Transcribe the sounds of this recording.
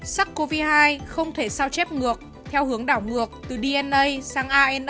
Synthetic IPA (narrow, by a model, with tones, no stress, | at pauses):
sa˦˥kko˧vi˧haː˧jxə˧wŋ͡mt̪ʰe˧˩saː˧wt͡ɕɛ˦˥p̚ŋɨ˨˩ək̚ | t̪ʰɛ˧whɨ˨˦əŋɗaː˧˩wŋɨ˨˩ək̚t̪ɨ˨˩ɗi˧ʔɛ˧nʔə˧jsaː˨˦ŋʔaː˧ʔɛ˧n